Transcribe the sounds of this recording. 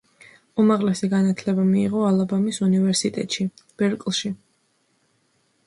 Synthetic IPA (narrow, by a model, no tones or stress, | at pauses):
umaʁlɛsiɡanat̪ʰlɛbamiiʁɔalˠabamisunivɛɾsit̪ʼɛ̰t̪ʼʃib̥ɛɾkʼlˠʃi